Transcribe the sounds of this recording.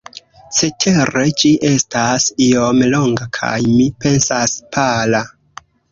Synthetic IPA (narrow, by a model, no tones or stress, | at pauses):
se̞tʰe̞ɾe̞d͡ʒiʔe̞stasiomloŋɡakʰa̰jmipe̞nsaspʰala